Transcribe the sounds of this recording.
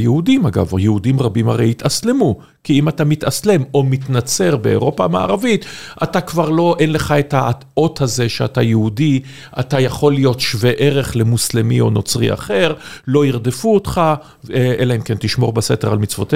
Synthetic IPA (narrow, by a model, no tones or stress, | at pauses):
jeudimaɡa̰v̰jeudimʁabimaʁejit̪aslemu | kiimatamit̪asle̞mo̞mit̪nat͡se̞ʁbe̞o̰ʁo̞pama̰a̰ʁavit̪atakvaʁlo̞ʔenle̞χaet̪ha | o̞t̪haze̞ʃeatajeudi | a̰tajaχo̞lijo̞tʃveʔeʁe̞χle̞muslemio̞no̞t͡sʁḭa̰χe̞ʁlo̞iʁd̪efuot̪χa | ʔelaimkent̪iʃmo̞ʁbeseteʁalmit͡svo̞te